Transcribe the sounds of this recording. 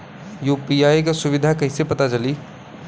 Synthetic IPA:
juːpiaːjk̬asʊʋɪd̪ʱakɐɦɪ̃sepɐt̪at͡ʃɐliː

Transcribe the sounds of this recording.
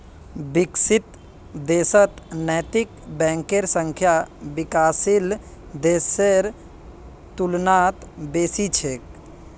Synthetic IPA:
biksit̪ | d̪eːsət̪nəjt̪ikbɛ̃ːŋkeɾsə̃ŋkʰjabɪkaːsil | d̪eːseɾ | t̪ulnaːt̪beːsit͡ʃʰeːk̚

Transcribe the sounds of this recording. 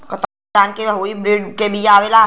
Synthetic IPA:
kɐt̪ | aːnkeɦoːibɾiɖkebʱijaːʋela

